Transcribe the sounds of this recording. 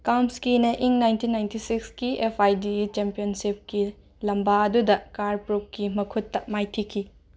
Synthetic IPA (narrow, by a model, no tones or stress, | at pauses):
kawmskinɐʔiŋnajntinːajntisikskiepʰajdit͡ʃempijonsip̚ki | lɐmbaɐdudɐkaɾpɾuk̚kːimɐkʰutːɐmajtʰikʰi